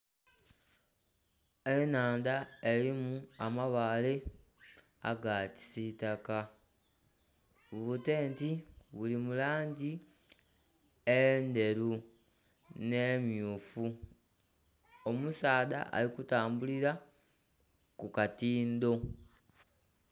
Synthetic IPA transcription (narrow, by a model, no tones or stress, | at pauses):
e̞naːndae̞limuamaβaːle̞ | a̰ɡaci̥sitaka | βute̞ːntiβulimulaːɲɟi | ende̞ɾu | ne̞mjufu | omusaːða̰ʔa̰likutaːmbuliɾa | kukatiːnd̪o̞